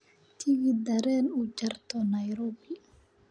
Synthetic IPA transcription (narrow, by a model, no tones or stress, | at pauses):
t̪ʰɪɣɪd̪ɐɾɛːnuːt͡ʃɐrt̪ʰɔnɐjɾɔːbɪ